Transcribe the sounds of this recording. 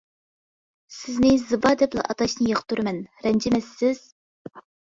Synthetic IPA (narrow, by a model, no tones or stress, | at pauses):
sɪznɪzɨbɑd̪ɛplˠɑ̰ʔɑt̪ɑʃnɨjɑqt̪uɾɨmɛnɾɛnd͡ʒɪmɛsːɪz̥